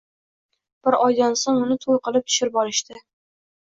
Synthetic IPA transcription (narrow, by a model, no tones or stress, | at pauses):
b̥ɪɾɒjd̪ansoŋʊnɪt̪ʰolˠqɨlˠɪp̚t̪ʰʊ̥ʃɪɾbɒɾɪʃt̪ɪ